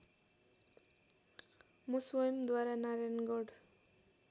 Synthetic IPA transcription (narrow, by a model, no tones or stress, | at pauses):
moswojmd̪waɾanaɾanɡɔɖ